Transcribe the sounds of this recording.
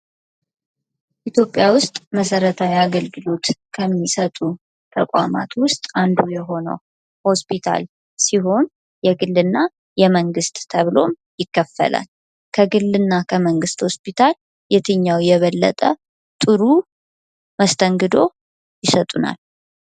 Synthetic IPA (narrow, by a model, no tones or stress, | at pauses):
ʔit̪ʰjo̞pʼːjawʊst̪ʼməsəɾət̪ʰawiaɡəlɡɨlo̞t̪kʰəmːisət̪ʼu | t̪ʰəkʷʼa̰ma̰t̪wʊst̪ʼand̪ujɛɦo̞nə̰w | ho̞spʰit̪ʰa̰l | siɦo̞n | jɛɡɨlːɨnːa | jɛməŋɡɨst̪ʼt̪ʰəβlo̞̰m | jɪkːəfːə̰lʔə̰n | kʰəɡɨlːɨnːakʰəməŋɡɨst̪ho̞spʰit̪ʰal | jɛt̪ʰɨɲːawjɛβəlːə̰t̪ʼə | t̪ʼɨɾu | məst̪ʰəŋɡɨd̪o̞ | jɪsət̪ʼuna̰l